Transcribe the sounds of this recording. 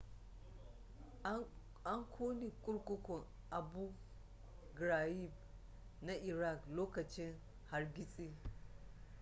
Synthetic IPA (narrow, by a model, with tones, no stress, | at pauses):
ʔa˦ŋkʷʰoː˦ni˨kʷʼʊ˦ɽkʷʼʊ˦kʷɔ˨ŋ | ʔa˨bu˦ | ɡɾa˨ji˦˨b̚ | na˦ʔɪ˨ɾa˦˨kloː˦kɐ˨t͡ʃɪ˦ŋ | ha˨rɡʲɪ˦sʼiː˦